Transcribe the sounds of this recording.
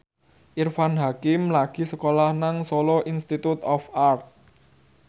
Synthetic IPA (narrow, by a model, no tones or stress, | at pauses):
ʔirfanɦakɪmlaɡ̥i̤səkolahnaŋsɔlɔʔinst̪it̪ut̪ɔfart̪̚